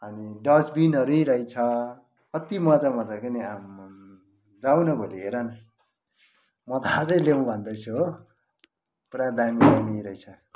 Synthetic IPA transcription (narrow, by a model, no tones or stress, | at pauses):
ɦʌniɖʌd͡zbinʌɾuiɾʌjt͡sʰʌ | kʌt̪imʌd͡zamʌd͡zakʌniam | ɾawnʌbʱoliɦeɾʌn | mʌd̪at͡sʌj̃lemũbʱʌnd̪ʌjt͡sʰu | puɾad̪amidamiɾʌjt͡sʰʌ